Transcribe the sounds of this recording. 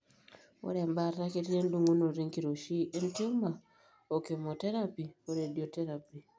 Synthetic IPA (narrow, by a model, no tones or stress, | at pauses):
o̰ɾembarrakeɾiɾenduŋɡunoriŋkiɾoʃiʔentima | okemoteɾapioɾedioteɾapi